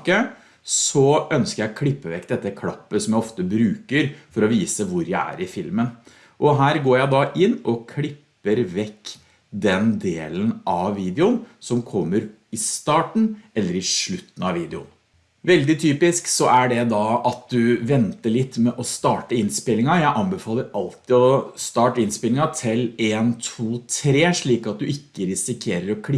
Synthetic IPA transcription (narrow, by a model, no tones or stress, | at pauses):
kə | ssɔœnskəɾjækʰlɪpːəʋɛkːd̪ɛt̪ːəkʰlɑpːəsɔmjæɪɔft̪əbɾʉːkəɾfɔɾɔʋiːsəʋʊɾjæɪæ̰ɾɪfɪlmən | ʔɔɦæːɾɡoːɾjæɪd̪ɑʔɪnːɔkʰlɪpːəɾʋɛkː | d̪ɛnd̪eːlənʔɑʋːiːd̪ɛʊnsɔmkʰɔmːəɾ | ɪst̪ɑːʈɳ̩ʔɛlːəɾɪʂɭʉt̪ːn̩ɑʋːiːd̪ɛʊ̰n | ʋɛld̪ɪt̪ʰyːpɪsksɔʔæɖɛd̪ɑʔɑt̪̚d̪ʉʋɛnt̪əɭɪt̪ːmɛʔɔst̪ɑːʈəɪnspɪlːɪŋɑjæɪʔɑnbɛfɑːlːəɾɑlt̪ɪɔst̪ɑːʈəɪnspɪlɪŋɑt̪ʰɪleːnt̪ʰuːt̪ʰɾeːʂɭiːkɑt̪̚d̪ʉɪkːəɾɪsɪkʰeːɾəɾɔkʰlɪ